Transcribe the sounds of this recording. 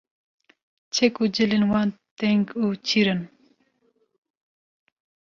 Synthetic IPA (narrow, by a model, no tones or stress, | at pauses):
t͡ɕʰekud͡ʑilinwant̪eŋɡut͡ɕʰiɾən